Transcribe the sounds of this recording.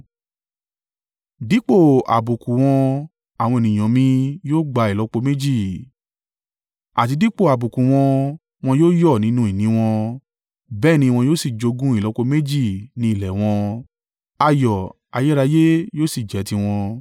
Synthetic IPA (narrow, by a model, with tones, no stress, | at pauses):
di˨˦k͡po˦˨a̰˨bu˨kũ˨w̃ɔ̃˧ | a˨w̃ɔ̃˧e˨nĩ˨j̃ɔ̃˨mĩ˧joː˦ɡ͡ba˧i˨lɔ˨˦k͡po˧me˦d͡ʒi˦˨ | a˨ti˧di˦k͡po˦˨a˨bu˨kũ˨w̃ɔ̃˧ | w̃ɔ̃˧joː˦jɔ˦˨nĩ˨˦nũ˦i˦˨nĩ˨˦w̃ɔ̃˧ | bɛː˦˨nĩ˧w̃ɔ̃˧joː˦si˦˨d͡ʒo˧ɡũ˦i˦˨lɔ˨˦k͡po˧me˦d͡ʒi˦˨nĩ˧˦i˦˨lɛ˨w̃ɔ̃˧ | a˧jɔ˨ | a˧je˦ɾa˧je˦joː˦si˦˨d͡ʒɛ˨˦ti˧w̃ɔ̃˧